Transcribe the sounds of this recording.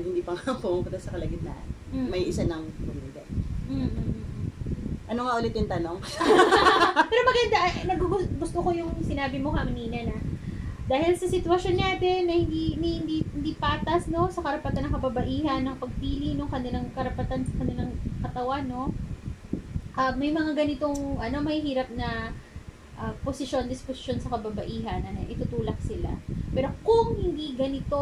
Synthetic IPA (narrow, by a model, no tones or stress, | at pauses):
hɪnd̪iːpɐŋɐpuʊŋpʊt̪ɐsɐkɐlɐɡɪnna̰ːʔɐ̰ | mɐjʔɪsanɐŋmɐllɪɡ̪ɐ̰m̩ | ʔɐnoŋɐʔʊlɪt̪ɪnt̪ɐnoŋ | pɛːɾomɐɡɐnd̪aʔnɐɡɡʊɡʊst̪oko̞jʊŋsɪnaːbɪmohɐmɐniːnɐnɐd̪aːhɪlsɐsɪt̪wɐʃo̞nɲaːd̪ɛnːɐhɪnd̪inɐhɪnd̪ihɪnd̪iːpaːt̪ɐsno̞sɐkɐɾɐpɐt̪anːɐŋkɐbabɐʔiːɦɐnːɐŋpɐɡ̚piːlɪnʊŋkɐnɪlaŋkɐɾɐpɐt̪ansɐkɐnɪlaŋkɐt̪ɐwanːo̞ | ʔɐmɐjmɐŋaɡɐnɪt̪o̞ŋʔɐno̞mɐhihiːɾɐp̚nɐ | ʔɐposɪʃo̞nd̪ɪsposɪ̥ʃo̞nsɐkɐbɐbɐʔiːɦɐnːɐnɐ̰ʔɪt̪ut̪uːlɐk̚sɪla̰pɛːɾo̞kʊŋhɪnd̪iɡɐnɪt̪o